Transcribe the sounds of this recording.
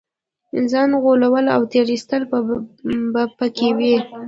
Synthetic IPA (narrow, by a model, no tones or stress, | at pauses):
zɑnɣolawəla̰wt̪eɾist̪əl | bapəkewi